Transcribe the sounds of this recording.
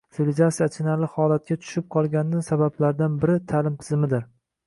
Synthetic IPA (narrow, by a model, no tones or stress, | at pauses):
sɪlʲd͡ʒasat͡ʃʰɪnalɪhɒlat̪̚kʲat̪ʰʊ̥ʃɪp̚qʰɒlˠɡʲanɪnɪsabablaɾd̪anbɪɾɪt̪ʰalɪmt̪ʰɪzmɪd̪ɪɾ